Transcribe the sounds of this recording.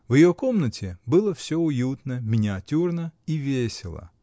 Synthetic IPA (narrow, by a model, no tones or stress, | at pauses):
wjjɔkɔmnɐtʲɪbɨlˠɐfsʲɔʊjut̪nɐmʲɪnʲɪɐtʲurnɐiʋʲesʲɪlˠɐ̰